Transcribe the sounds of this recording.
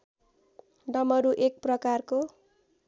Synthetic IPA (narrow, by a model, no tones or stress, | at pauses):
ɖʌmʌɾuʔek̚prʌkarko